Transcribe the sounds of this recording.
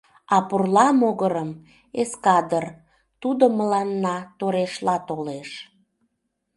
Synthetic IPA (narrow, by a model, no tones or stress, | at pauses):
ɑpurlɑmoɣəɾəm | eskɑd̪ər | t̪ud̪oməlɑnːɑt̪oɾeʃlɑt̪oleʃ